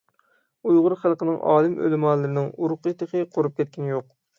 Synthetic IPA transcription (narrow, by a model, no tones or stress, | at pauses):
ujʁʊɾχælˠqənɨŋʔɑ̰ːlˠɨmø̰lɨmɑlˠːɨɾɪnɪŋuɾʊqɨt̪ʰəqəqʰoɾup̚kʲɛt̪̚kʲʰɛnjoq̚